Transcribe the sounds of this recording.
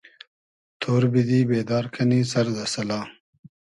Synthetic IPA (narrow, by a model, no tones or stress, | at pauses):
t̪ʰoːɾbid̪iːbeːd̪aːɾkʰɐniːsɐɾd̪ɐsɐlaː